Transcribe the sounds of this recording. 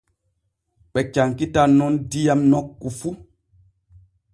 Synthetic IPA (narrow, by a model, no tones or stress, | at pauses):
ɓɛt͡ʃaŋkitanɔndijamnɔkːufu